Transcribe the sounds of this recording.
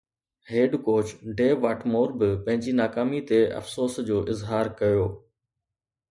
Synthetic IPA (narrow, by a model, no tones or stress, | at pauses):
heːɖkoːt͡ɕɖeːʋaːʈʰmoːɾbɪpɐ̃ɦɪ̃ɲd͡ʑinaːkaːmit̪eʔɐ̰fsoːsd͡ʑoːʔɪzɦaːɾkɐjoː